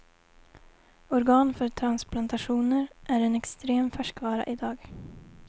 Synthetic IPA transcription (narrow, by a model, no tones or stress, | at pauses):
ɔɾɡɑːnfœʈʰɾansplant̪aɧuːnəɾʔæɾɛnɛkst̪ɾeːmfœʂkvɑːɾa̰ʔɪd̪ɑːɡ